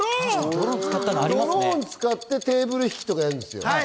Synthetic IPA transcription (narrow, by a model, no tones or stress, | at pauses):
oɾõnt͡sɨ̥kat̪ːãɾiɾõɲ̟it͡sɨ̥kat̪ːe̞t̪e̞ːbɯ̟ɾɯ̟çi̥kʲi̥t̪o̞kajaɾɯ̃nd̪e̞sɨjo̰